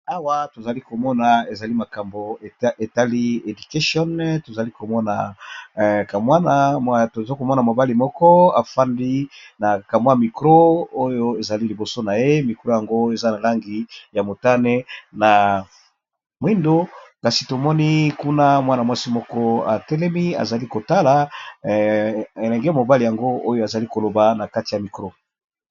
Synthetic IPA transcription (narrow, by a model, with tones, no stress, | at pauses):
a˦wa˨to˨za˨li˦ko˨mɔ˦na˨e˨za˨li˦ma˨ka˨mbo˨e˨ta˦li˦e˨du˨ke˦sɔ˦nto˨za˨li˦ko˨mɔ˦na˨ | ka˨mwa˦na˦to˨zko˨mɔ˦na˨mo˨ba˦li˨mɔ˦kɔ˦a˨fa˦ndi˦na˨ka˨m˦a˦˨mi˨kʁo˦o˦jo˦e˨za˨li˦li˨bo˨so˦na˨je˦mi˨kʁo˦ja˨ŋɡo˦e˨za˦na˨la˦ŋɡi˨ja˨mo˨ta˦ne˦na˨ | mwi˦ndo˦ka˨si˨to˨mɔ˦ni˦ku˦na˦mwa˦na˨mwa˦si˦mɔ˦kɔ˦a̰˨tɛ˦lɛ˦mi˦a̰˨za˨li˦ko˨ta˦la˨ | e˨lɛ˨ŋɡɛ˦˨mo˨ba˦li˨ja˨ŋɡo˦o˦jo˦a˨za˨li˦ko˨lo˨ba˨na˨ka˦ti˨ja˨mi˨kʁo˦